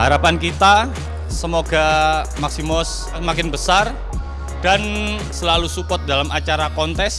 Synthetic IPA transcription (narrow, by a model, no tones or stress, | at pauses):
haɾapankit̪a | səmoɡamaksimɔs | əmakɪnbəsar | dan | səlalusupɔt̪̚dalamʔat͡ʃaɾakɔnt̪ɛs